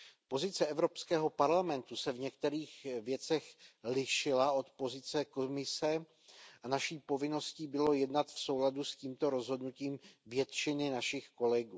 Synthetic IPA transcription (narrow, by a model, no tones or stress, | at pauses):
po̞zɪt͡sɛʔɛvɾo̞pskɛːɦo̞paɾlamɛnt̪usɛvɲɛk̚t̪ɛɾiːxvjɛt͡sɛxlɪʃɪlao̞t̪po̞zɪt͡sɛko̞mɪsɛ | ʔanaʃiːpo̞vɪno̞sciːbɪlo̞jɛdnat̪fso̞wladusciːmt̪o̞ɾo̞zɦo̞dnuciːmvjɛt̪t͡ʃɪnɪnaʃɪxko̞lɛɡuː